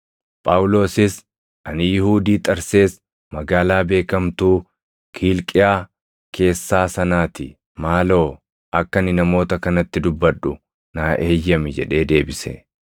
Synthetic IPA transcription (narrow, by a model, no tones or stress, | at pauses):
pʼaːwʊlo̞ːsɪs | ʔɐnɪjɪhuːd̪iːt̪ʼɐɾse̞ːs | mɐɡaːlaːbe̞ːkɐmt̪uː | kʰiːlkʼɪjaː | kʰe̞ːsːaːsɐnaːt̪ɪ | maːlo̞ː | ʔɐkːɐnɪnɐmo̞ːt̪ɐkɐnɐt̪ːɪd̪ʊbːɐᶑʊ | naːʔeːjːɐmɪd͡ʒɛ̰ᶑe̞ːd̪e̞ːbɪsɛ̰